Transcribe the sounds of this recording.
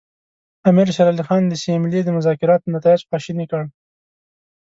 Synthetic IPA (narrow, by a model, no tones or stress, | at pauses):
amiɾʃaɾalixɑnd̪əsimɪlid̪əmʊzɑkɪɾɑt̪̚nat̪ɑɪd͡ʒxɑʃinikəɽ